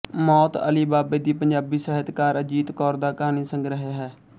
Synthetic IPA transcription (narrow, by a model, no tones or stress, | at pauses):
mɔːt̪ə̰liːbaːbeːd̪iːpəɲd͡ʒaːbiːsɛɦɪt̪kaːɾəd͡ʒiːt̪kɔːɾd̪aːkaːniːsəŋɡɾəɦeɦɛː